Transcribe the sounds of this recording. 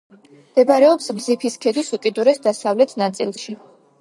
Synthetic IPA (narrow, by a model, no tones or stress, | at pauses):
md̪̥ɛbaɾɛɔpsmzipʰiskʰɛd̪isukʼid̪uɾɛsd̪asavlɛt̪ʰnat̪sʼilˠʃi